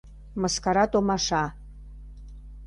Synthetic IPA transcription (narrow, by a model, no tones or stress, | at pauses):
məskɑɾɑt̪omɑʃɑ